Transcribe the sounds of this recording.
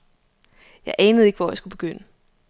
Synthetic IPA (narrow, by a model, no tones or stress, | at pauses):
jɑ̈ɪʔɛːnəð̞̩ˠe̝ɡ̥əʋɒ̰jäɪsɡ̥ub̥e̝ɡ̥øn̰ə